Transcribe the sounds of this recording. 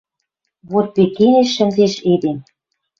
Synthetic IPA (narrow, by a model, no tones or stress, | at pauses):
βot̪̚pekeneʃːɘ̆nzeʃed̪em